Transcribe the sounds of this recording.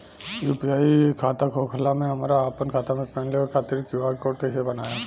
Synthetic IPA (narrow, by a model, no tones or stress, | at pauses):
juːpiaːikʰaːt̪akʰoːkʰlamẽɦɐmaːɾaːpənkʰaːt̪amẽpɛ̃ːɳlekekʰaːt̪ɪɾkjuaːɾkoːɖ̚kaɪsebɐnaːja